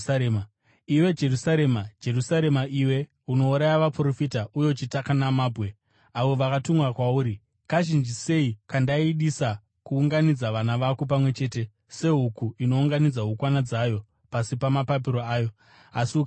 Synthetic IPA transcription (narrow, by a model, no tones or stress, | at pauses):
iwe̞d͡ʒe̞rusaɾe̞mad͡ʒe̞rusaɾe̞maʔiwe̞ | uno̞uɾajaʋapro̞fitaʔujo̞t͡ʃitakanamaːbʱwe̞ | aʋo̞ʋakatumwakwauːɾi | kaʒind͡ʒise̞ikandaiɗisa | kuːŋɡanid͡zaʋanaʋakop̬amwe̞t͡ʃe̞ːte̞ | se̞ɦukuino̞uŋɡanid͡zaɦukwanad͡zajo̞ | pasipamapap̬iɾo̞aːjo̞ | asiuka